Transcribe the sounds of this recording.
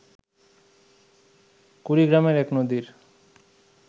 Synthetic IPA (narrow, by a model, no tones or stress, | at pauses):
kuɾiɡɾameɾɛknod̪iɾ